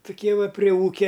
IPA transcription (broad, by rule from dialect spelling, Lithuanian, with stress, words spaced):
tʊˈkʲiɛ ˈʋɐ pʲrʲɪ ˈuːkʲɛ